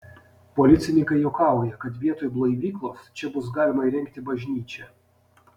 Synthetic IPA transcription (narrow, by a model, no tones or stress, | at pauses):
pɔlʲɪt̪sʲɪnʲɪŋkɐɪjɛʊkɑˑʊjɛkɐt̪ʋʲiɛt̪oːjblˠɔɪʋʲiːklˠoːst͡ʃʲɛbʊsɡɑːlʲɪmɐiɾʲɛŋʲk̚t̪ʲɪbɐʒʲnʲiːt͡ʃʲɛ